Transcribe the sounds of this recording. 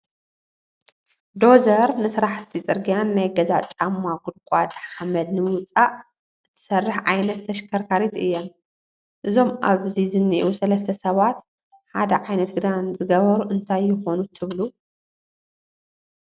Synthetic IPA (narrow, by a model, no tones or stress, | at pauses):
d̪o̞zɐɾnɨsɾaħt̪ʰit͡sʼɨɾɡijanːajɡɐza̰t͡ʃʼamːaɡʊd̪̚kʷʼad̪ħamɐd̪nɨmɨwt͡sʼaʔ | ɨt̪ʰːɨ̥sɐrːɨħʕajnɐt̪ʰːɐʃkʰɐɾkʰaɾit̪ɨjːom | ʔɨzo̞mʔaβzizɨnːiʔusɐlɐs̬t̪ʰɐsɐβat̪ | ħa̰d̪ɐʕajnɐt̪̚ɡɨd̪anzɨɡɐβɐɾuʔɨnt̪ʰajːɪxo̞nut̪ʰɨβlu